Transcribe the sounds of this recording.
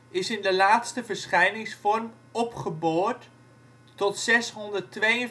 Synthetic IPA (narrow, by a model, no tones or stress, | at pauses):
ɪsɪndəlaːtstəvərsχɛjnɪŋsfɔrm | ɔpχəboːtː | ɔtsɛsɦɔndərtʋejə